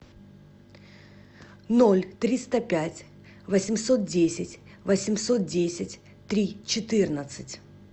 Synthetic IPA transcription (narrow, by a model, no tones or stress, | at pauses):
nolʲt̪ɾʲist̪əpʲætʲ | vəsʲɪmʲso̞t̪̚dʲesʲɪtʲ | vəsʲɪmʲso̞t̪̚dʲesʲɪtʲ | t̪ɾʲit͡ɕɪt̪ɨrnət̪sɨtʲ